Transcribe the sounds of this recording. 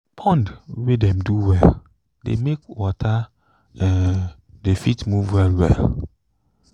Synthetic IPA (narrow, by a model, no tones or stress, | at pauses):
pʰɔ̃ndwedɛ̃mduwɛl | dḛmekwɔtʰa | ɛ | defitmuvwɛlwɛ̰l